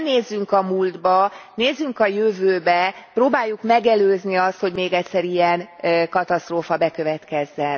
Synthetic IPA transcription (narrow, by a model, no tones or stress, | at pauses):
neːzːyŋkɒmuːld̪bɒneːzyŋkɒjøvøːbɛproːbaːjːukmɛɡɛløːzniɒst̪ho̞ɟmeːɡɛcʲsɛɾiɛnkɒt̪ɒst̪roːfɒbɛkø̞vɛt̪kɛzːɛn